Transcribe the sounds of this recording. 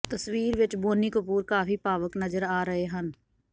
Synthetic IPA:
t̪əswiːɾʋɪt͡ʃboːnikʊpuːɾkaːfʰipaːʋəknəd͡ʒəɾaːɾəɦeɦən

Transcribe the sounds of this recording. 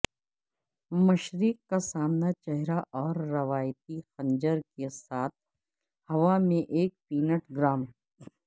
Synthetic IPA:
mɐʃɾikːasaːmnat͡ʃɛɦɾaʔɔːɾːɐʋaːjt̪ixɐ̃ɲd͡ʒəɾkesaːt̪̚ʰ | hɐʋamẽʔeːk̚piːnəʈɡɾaːm

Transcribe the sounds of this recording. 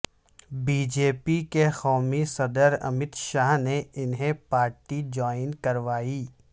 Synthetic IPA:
biːd͡ʒeːpikexɔːmisɐd̪əɾɐ̰mɪt̪ʃaːɦneɪnɦẽpaːɾʈid͡ʒɔːɪnkɐɾʋaːiː

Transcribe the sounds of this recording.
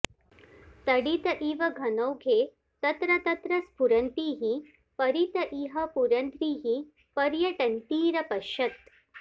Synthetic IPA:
t̪ɐɽit̪ɐʔiʋɐɡʱɐnɐwɡʱeː | t̪ɐt̪ɾɐt̪ɐt̪ɾɐsbʱuɾɐnt̪iːɦi | pɐɾit̪ɐʔiɦɐpuɾɐnt̪ɾiːɦi | pɐɾjɐʈɐnt̪iːɾɐpɐʃɐt̪̚

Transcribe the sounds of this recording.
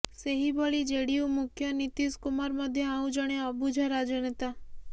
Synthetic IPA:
seɦibɔɭid͡ʒeɽiumukʰjɔnit̪iskumaɾmɔd̪ʱjɔãũd͡ʒɔɽ̃eɔbud͡ʒʱɔɾad͡ʒɔnet̪a

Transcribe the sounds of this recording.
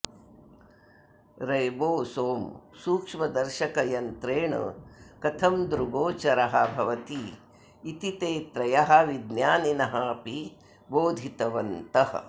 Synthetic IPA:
ɾɐjboːsoːmsuːkʂmɐd̪ɐɾʃɐkɐjɐnt̪ɾeːɳɐ̰kɐt̪ʰɐmd̪ɾuɡoːt͡ʃɐɾɐɦɐbʱɐʋɐt̪iː | t̪it̪eːt̪ɾɐjɐɦɐ̆ʋid̪njaːninɐɦɐpi | boːd̪ʱit̪ɐʋɐnt̪ɐɦɐ̰̆

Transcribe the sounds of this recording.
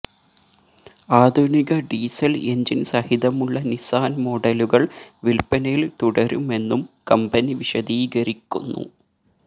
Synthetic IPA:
aːd̪ʱuniɣɐɖiːsɐleɲd͡ʑinsɐhiðɐmuɭːɐnisaːnmo̞ɽɐluɣɐɭʋilpɐnɐjilt̪uɽɐɾume̞nːumkɐmbɐniʋiɕɐd̪iːɡɐɾikʲːṵnːṵ

